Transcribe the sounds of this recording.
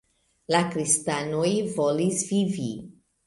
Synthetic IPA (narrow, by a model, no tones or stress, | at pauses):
lakɾistanojvo̞lisvivḭ